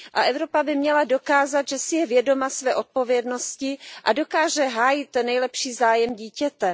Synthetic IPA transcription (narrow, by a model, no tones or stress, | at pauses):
ʔaʔɛvɾo̞pabɪmɲɛlado̞kaːzat̪ʒɛsɪjɛvjɛdo̞masvɛːʔot̪̚po̞vjɛdno̞scɪʔado̞kaːʒɛɦaːjɪt̪nɛjlɛpʃiːzaːjɛmɟiːcɛt̪ɛ